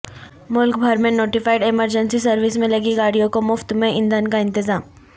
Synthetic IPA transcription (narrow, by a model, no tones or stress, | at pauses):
mʊlkbʱɐɾmẽnoːʈɪfaːɪɖeməɾd͡ʒənsisɐɾʋɪsmẽlɐɡiɡaːɽijõkomʊft̪mẽʔɪ̃nd̪ənkaɪ̃nt̪ɪzaːm